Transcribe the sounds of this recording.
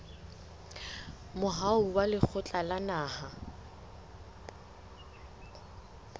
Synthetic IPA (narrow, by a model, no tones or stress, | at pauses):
mʊɦaʊwalɪk͡xʰʊt͡ɬʼalanaːha